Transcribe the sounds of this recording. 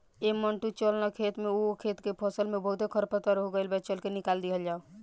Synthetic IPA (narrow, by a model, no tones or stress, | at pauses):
eməɳʈut͡ʃəlnəkʰet̪meokʰet̪kepʰəsəlmebəɦut̪ekʰəɾpət̪əɾɦoɡəjlbɛt͡ʃəlkenikald̪iɦəld͡ʒao